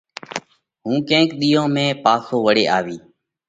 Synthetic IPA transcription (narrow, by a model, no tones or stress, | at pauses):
ɦũːkẽːkɗ̪iːõːmẽːpaːsoːʋəɽeːʔaːʋiː